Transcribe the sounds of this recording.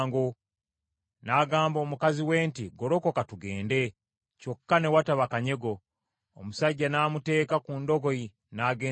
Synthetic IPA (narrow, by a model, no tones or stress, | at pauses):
ŋɡo | naːɡaːmbo̞ːmukaziwe̞ːntiɡo̞ɾoko̞katuɡe̞ːnde̞ | co̞kːane̞wataβakaɲe̞ɡo̞ː | musaɟːanaːmute̞ːkakundo̞ɡo̞i | naːɡeː